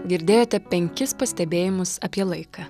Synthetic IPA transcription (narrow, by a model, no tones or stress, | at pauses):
ɡʲɪɾʲd̪ʲeːjoːt̪ʲɛpʲɛŋʲkʲɪspɐsʲt̪ʲɛbʲeːjɪmʊsɐpʲiɛlˠɐɪkɑː